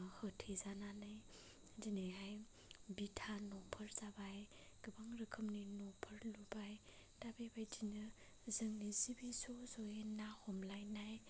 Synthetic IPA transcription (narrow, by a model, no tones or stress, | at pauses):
hɯtʰezananɯj | dineɦaj | bitʰanɔpʰɯɾzabaj | ɡ̥ɯbaŋɾɯkʰɯmninɔpʰəɾlubaj | dabebajd͡ʒinɯ | zɯŋnizibisozɔenahɔmlajnaj